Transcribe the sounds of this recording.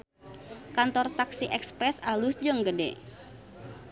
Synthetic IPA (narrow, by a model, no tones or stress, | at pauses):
kant̪ɔrt̪aksiʔɛkspɾɛsalusd͡ʒəŋɡədɛ̰